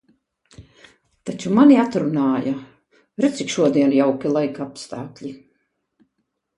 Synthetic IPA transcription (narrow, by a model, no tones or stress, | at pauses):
t̪at͡ʃumaniat̪ɾunaːja | ɾɛt̪sikʃuɔd̪iɛnjawkʲilˠajkapst̪aːklʲi